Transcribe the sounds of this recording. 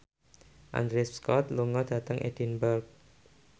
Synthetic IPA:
ʔa̰ndɾɪsskɔt̪luŋɔd̥ä̤t̪əŋʔḛd̥inbərk̚

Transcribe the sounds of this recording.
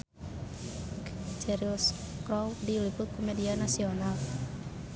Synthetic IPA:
d͡ʒɛɾiuskɾɔwdilipʊt̪̚kʰomedianasional

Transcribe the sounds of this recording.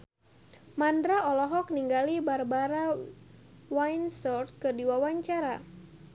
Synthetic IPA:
mandɾaɔlɔɦɔk̚niŋɡalibarbaɾa | wajnsɔrt̪̚kɨrdiwawaɲt͡ʃaɾa

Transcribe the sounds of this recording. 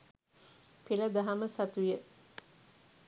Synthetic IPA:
pilɐd̪aɦaməsɐt̪ujə

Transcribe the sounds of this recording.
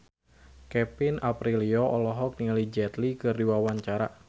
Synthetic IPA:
kɛpɪnapɾiliɔʔɔlɔɦɔk̚niŋalid͡ʒɛt̪likɨrdiwawaɲt͡ʃaɾa̰

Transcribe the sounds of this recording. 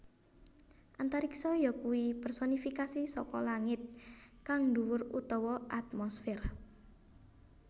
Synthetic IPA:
ʔant̪aɾiksɔjɔkuwipɛrsɔnifikasisɔkɔlaŋɪt̪̚kaŋd̪uwʊrut̪ɔwɔʔat̪̚mɔsfɛra

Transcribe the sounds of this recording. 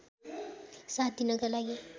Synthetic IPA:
sat̪inʌɡalaɡi

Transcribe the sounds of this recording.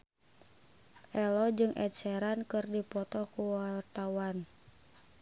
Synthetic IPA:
ʔɛlɔd͡ʒɨŋʔɛ̰t̪̚sɛɾankɨrdipɔt̪ɔkuwart̪awan

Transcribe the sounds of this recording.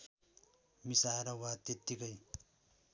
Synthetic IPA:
misaɾawat̪et̪ːikʌj

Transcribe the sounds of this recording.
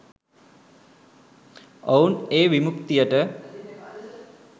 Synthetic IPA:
ouneːʋimukt̪ijəʈə

